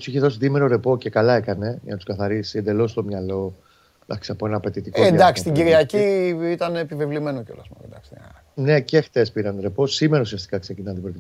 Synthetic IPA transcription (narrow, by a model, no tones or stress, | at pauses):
usiçeðo̞siðimeɾo̞ɾe̞po̞ce̞kɐlɐe̞kɐne̞ʝɐ̰nɐt̪u̥skɐθɐɾisiend̪e̞lo̞st̪o̞mɲɐlo̞ | t̪ɐ̰ki̥sɐpoenɐːpe̞t̪it̪ikoend̪ɐksist̪iɟiɾiɐciit̪ɐnepivivlime̞noceolɐ̰smɐ̰ḛnd̪ɐ̰kst̪e | ne̞ce̞xt̪e̞spiɾɐnɾe̞po̞simeɾɐusiɐst̪ikɐkse̞cinɐnðebɾit̪